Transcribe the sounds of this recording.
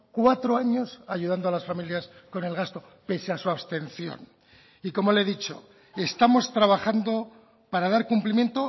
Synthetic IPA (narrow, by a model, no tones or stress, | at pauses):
kwat̪ɾo̞aɲo̞saʝuðand̪oalasfamiljasko̞ne̞lɣast̪o̞ | pe̞seasuaβst̪e̞nθjo̞̰n | iko̞mo̞le̞ðit͡ʃo̞̰ | e̞st̪amo̞st̪ɾaβaxand̪o̞ | paɾaðaɾkumplimje̞nt̪o̞